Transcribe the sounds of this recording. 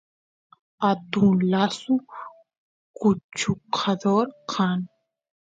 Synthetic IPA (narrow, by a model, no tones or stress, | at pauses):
at̪ũlasu | kut͡ʃʰuqʰaðɔɾqʰan